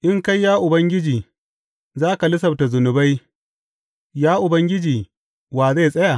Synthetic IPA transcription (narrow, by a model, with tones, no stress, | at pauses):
ʔɪ˦ŋka˦jːaː˦ʔʊ˨bɐ˦ŋɡʲɪ˦d͡ʒiː˨ | zaː˦ka˨lʊ˦sɐ˨b̚ta˨zʊ˨nʊ˨ba˦j | jaː˦ʔʊ˨bɐ˦ŋɡʲɪ˦d͡ʒiː˨ | waː˨ze˦˨sʼɐ˦jaː˨